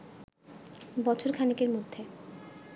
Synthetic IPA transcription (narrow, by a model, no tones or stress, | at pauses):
bɔt͡ɕʰoɾkʰanikeɾmod̪ʱːe